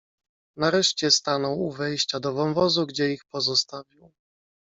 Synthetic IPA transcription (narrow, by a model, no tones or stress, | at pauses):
naɾɛʂt͡ɕɛst̪anɔwuvɛjɕt͡ɕad̪ɔvɔnvɔzuɡd͡ʑɛixpɔzɔst̪avʲiw